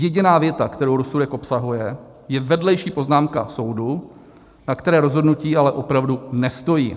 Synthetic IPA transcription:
jɛɟɪnaːvjɛt̪akt̪ɛɾowɾosudɛkʔo̞psaɦujɛ | jɛvɛdlɛjʃiːpo̞znaːmka̰so̞wdu | nakt̪ɛɾɛːɾo̞zɦo̞dnuciːalɛʔo̞pɾavdunɛst̪o̞jḭː

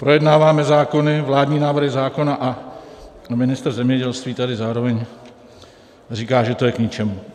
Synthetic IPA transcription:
pɾo̞jɛdnaːvaːmɛzaːko̞nɪvlaːdɲiːnaːvr̩ɦɪzaːko̞naʔa | mɪnɪst̪r̩zɛmɲɛɟɛlst̪viːt̪adɪzaːɾo̞vɛɲ | r̝iːkaːʒɛt̪o̞jɛkɲɪt͡ʃɛmu

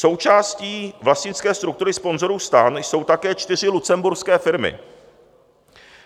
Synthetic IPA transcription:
so̞wt͡ʃaːsciːvlast̪ɲɪt͡skɛːst̪ɾuk̚t̪uɾɪspo̞nzo̞ɾuːst̪aːnjso̞wt̪akɛːt͡ʃt̪ɪr̝ɪlut͡sɛmbuɾskɛːfɪɾmɪ̰

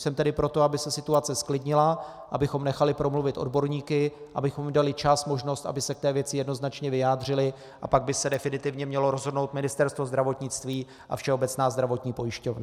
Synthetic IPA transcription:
sɛmt̪ɛdɪpɾo̞t̪o̞abɪsɛsɪt̪uat͡sɛsklɪdɲɪla | ʔabɪxo̞mnɛxalɪpɾo̞mluvɪt̪ʔo̞̰dbo̞ɾɲiːkɪʔabɪxo̞mdalɪt͡ʃasmo̞ʒno̞st̪a̰bɪsɛk̚t̪ɛːvjɛt͡sɪjɛdnoznat͡ʃɲɛvɪjaːd̪r̝ɪlɪ | ʔapaɡ̚bɪsɛdɛfɪnɪt̪ɪvɲɛmɲɛlo̞ɾo̞zɦodnowt̪mɪnɪst̪ɛɾst̪vo̞zd̪ɾavo̞t̪ɲɪt͡st̪viː | ʔa̰fʃɛo̞bɛt͡snaːzd̪ɾavo̞t̪ɲiːpo̞jɪʃco̞vna

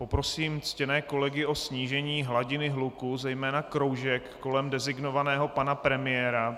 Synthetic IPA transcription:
po̞pɾo̞siːmt͡scɛnɛːko̞lɛɡɪʔo̞sɲiːʒɛɲiːɦlaɟɪnɪɦlukuzɛjmɛːnakɾo̞wʒɛkːo̞lɛmdɛzɪɡno̞vanɛːɦo̞panapɾɛmɪjɛːɾa

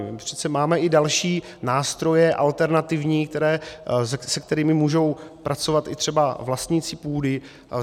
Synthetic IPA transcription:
prɛ̥st͡sɛmaːmɛʔɪdalʃiː | naːst̪ɾo̞jɛʔalt̪ɛɾnat̪ɪvɲiːkt̪ɛɾɛː | sɛk̚t̪ɛɾɪːmɪmuːʒo̞wpɾʔat͡so̞vat̪ɪ̰t̪r̥ɛbavlast̪ɲit͡sɪpuːdɪ

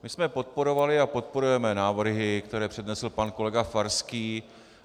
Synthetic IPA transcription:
mɪsmɛpo̞t̪̚po̞ɾo̞valɪapo̞t̪̚po̞ɾujɛmɛnaːvr̩ɦɪkt̪ɛɾɛːpr̥ɛdnɛsl̩panko̞lɛɡafaɾskiː

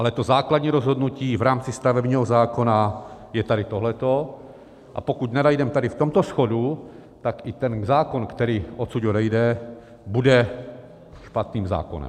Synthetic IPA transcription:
ʔalɛt̪ozaːkladɲiːɾɔzɦɔd̪nuciːvɾaːmt͡sist̪avɛbɲiːɦɔzaːkonajɛt̪adit̪oɦlɛt̪o | ʔa̰pokuɟnadajdɛmt̪adift̪ɔmt̪ɔsxɔdu | t̪akit̪ɛnzaːkɔnkt̪ɛɾiːosuɟodɛjdɛ | budɛ | ʃpat̪niːmza̰ːko̰nɛ̰m

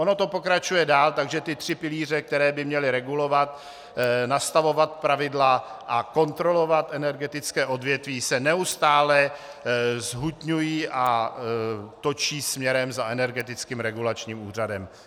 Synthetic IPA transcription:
ʔo̞no̞t̪o̞po̞kɾat͡ʃujɛdaːlt̪aɡʒɛt̪ɪt̪r̝̥ɪpɪliːr̝ɛk̚t̪ɛɾɛːbɪmɲɛlɪɾɛɡulo̞vat̪ | nast̪avo̞vat̪̚pɾavɪdlaʔako̞nt̪ɾo̞lo̞vat̪ʔɛnɛɾɡɛt̪ɪt͡skɛːʔo̞dvjɛt̪viːsɛnɛust̪aːlɛ | zɦut̪ɲujiːʔa | t̪o̞t͡ʃiːsmɲɛɾɛmzaʔɛnɛɾɡɛt̪ɪt͡skiːmɾɛɡulat͡ʃɲiːmuːr̝adɛm

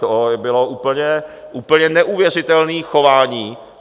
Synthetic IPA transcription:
obɪloʔuːpl̩ɲɛʔuːpl̩ɲɛnɛʔuːvjɛrɪt̪ɛlniːxovaːɲiː

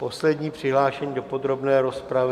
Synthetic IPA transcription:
po̞slɛdɲiːpr̝̥ɪɦlaːʃɛɲiːdo̞po̞d̪ɾo̞bnɛːɾospɾavɪ

